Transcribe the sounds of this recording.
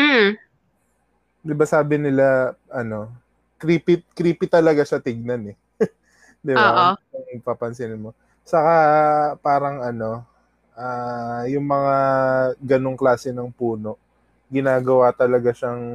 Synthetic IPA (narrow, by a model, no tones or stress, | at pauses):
m̩ | d̪ɪbasaːbɪnɪlaʔɐno̞ | kɾiːpɪkɾiːpɪt̪ɐlɐɡaʃɐt̪ɪɡ̚nɐnɛ | d̪ɪbaʔɐŋpɐpɐnsɪnmo | t͡ʃɐkapaːɾɐŋɐno̞ | ʔaːjʊŋmɐŋaɡɐnoŋklaːsɛnɐŋpuːno̞ʔ | ɡɪnaːɡɐwat̪ɐlɐɡaʃɐŋ